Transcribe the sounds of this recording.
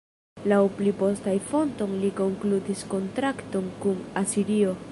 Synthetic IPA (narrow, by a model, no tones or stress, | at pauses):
lawplipo̞stajfo̞nto̞nliko̞ŋklutisko̞ntɾakto̞nkunasiɾio̞